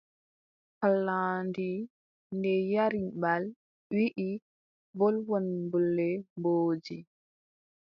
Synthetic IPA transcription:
halːandi | ndɛjaɾibal | wiʔi | vɔlwɔnbulːɛmboːd͡ʒi

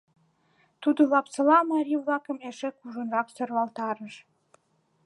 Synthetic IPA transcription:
t̪ud̪olɑpsɤlɑmɑɾʲivlɑkə̆meʃekuʒənrɑksørβɑlt̪ɑɾəʃ

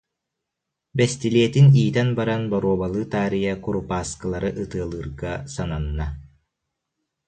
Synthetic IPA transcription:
bɛst̪iliɛt̪iniːt̪ɛnbaɾanbɔɾuɔbalˠɯːt̪aːɾijakuɾupaːskɯlˠaɾɯʔɯt̪ɯɐlˠɯːɾɡasananːa

